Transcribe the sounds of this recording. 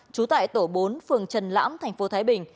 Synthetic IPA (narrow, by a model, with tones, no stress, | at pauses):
t͡ɕu˨˦t̪a̰ː˧˨jt̪o˧˩ɓo˨˦nfɨ˨˩əŋt͡ɕə˨˩nla̰ː˧˥mt̪ʰa˨˩jŋ̟fo˨˦t̪ʰaː˨˦jɓï˨˩ŋ̟